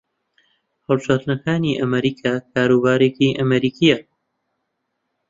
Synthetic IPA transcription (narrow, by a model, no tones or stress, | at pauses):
həlˠbʃaːt̪nɐkʰaːniːʔɐmɐɾiːkʰaːkʰaːɾuːbaːɾeːkiʔɐmɐɾiːkʰijɐ